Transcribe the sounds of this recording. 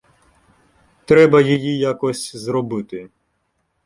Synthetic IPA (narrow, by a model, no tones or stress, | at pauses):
t̪ɾɛbɐjijijakɔsʲzɾɔbɪt̪ɪ